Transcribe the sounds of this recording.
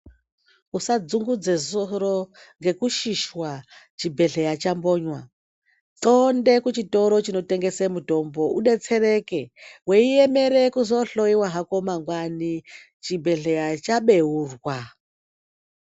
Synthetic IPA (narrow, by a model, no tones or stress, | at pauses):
usad͡zuŋɡud͡zezoɾo | ŋɡe̞kuʃiʃwat͡ʃibʱe̞ɮe̞jat͡ʃambo̞ːɲwa | tonde̞kut͡ʃito̞ɾo̞t͡ʃino̞te̞ŋɡe̞semuto̞mbo̞uɗe̞t͡se̞ɾe̞ke̞weijeme̞ɾekuzo̞ɬo̞iwaɦako̞maŋɡwani | t͡ʃibʱe̞ɮejat͡ʃaɓeɦurwa